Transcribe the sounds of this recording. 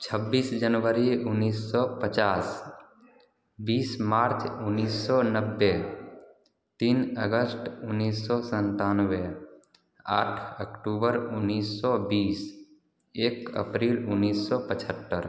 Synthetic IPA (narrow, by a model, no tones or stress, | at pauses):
t͡ʃʰəbːiːsd͡ʒənʋəɾiʊnːiːsːɔpət͡ʃaːs | biːsmaːɾt͡ʃʊnːiːsːɔnəbːe | t̪iːnəɡəsʈʊnːiːsːɔsə̃nt̪aːnwe | a̰ːʈʰəkʈuːbəɾʊnːiːsːɔbiːs | eːkə̰pɾiːlʊnːiːsːɔpət͡ʃʰət̪ːəɾ